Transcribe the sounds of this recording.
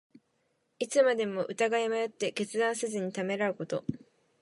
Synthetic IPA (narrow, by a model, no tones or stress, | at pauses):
it͡sɨmad̪e̞mo̞ʔɯ̟t̪aɡaimajot̪ːe̞ke̞t͡sɨd̪ãɰ̃sɨzɨɲ̟it̪ame̞ɾaɯ̟ko̞t̪o̞̰